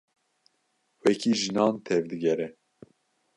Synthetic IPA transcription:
wɛkʰiːʒɨnɑːnt̪ʰɛvd̪ɨɡɛɾɛ

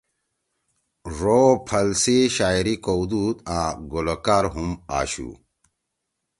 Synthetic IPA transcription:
ʐopʰɐlsiɕaːjiɾikowd̪ut̪aːɡolokaɾɦuma̰ːɕṵ

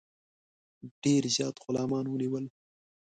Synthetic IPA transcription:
ɖ̥eːɾzjɑːt̪xʊlɑːmɑːnwəniwəl

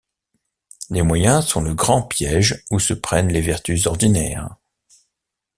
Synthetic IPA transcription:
lemwajɛ̃sɔ̃ləɡʁɑ̃pjɛʒusəpχɛnlevɛʁt̪yzɔʁd̪inɛːʁ

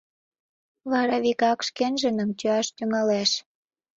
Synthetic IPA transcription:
βɑɾɑβikɑkʃkenʒə̆nə̆mt͡ɕøɑʃt̪yŋɑleʃ

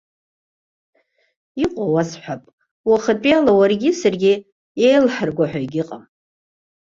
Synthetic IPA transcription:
iqʷʼawasħʷapʼ | waχat͡pʼijalawarɡʲɪsarɡʲɪ | ejlħarɡʷaħʷᶣaiɡʲɪqʼam

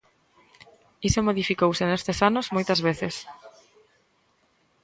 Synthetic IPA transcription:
isomoðifikowsenest̪esanʊzmojt̪ɐzβeθɪs

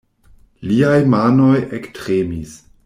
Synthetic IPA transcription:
liajmanojektɾemis

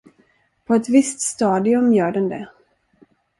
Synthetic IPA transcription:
pʰɔɛt̪vɪst̪st̪ɑːd̪ɪɵmjœːɖɛnd̪ɛ

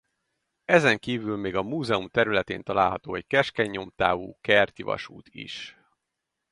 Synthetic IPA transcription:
ɛzɛŋkiːvylmeːɡɒmuːzɛumt̪ɛɾylɛt̪ḛːnt̪ɒlaːlɦɒt̪oːɛckɛʃkɛɲːo̞mt̪a̰ːvṵːkɛrt̪ivɒ̰ʃṵːt̪ʰḭʃ

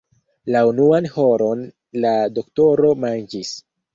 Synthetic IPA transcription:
launuanho̞ɾo̞n | lado̞kto̞ɾo̞mand͡ʒis

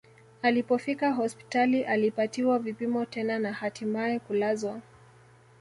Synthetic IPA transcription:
alipɔfikaɦɔspi̥taliʔalipatiwavipimɔtɛnanahatimaɛkulazwa

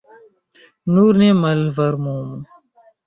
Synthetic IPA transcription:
nuːɾnemɐlvɐɾmuːm

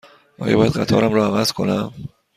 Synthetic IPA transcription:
ʔɒːjɒ̰bɒːjæd̪̚ɢæt̪ʰɒ̰ːɾæmɾɒævæz̥kʰo̞næm

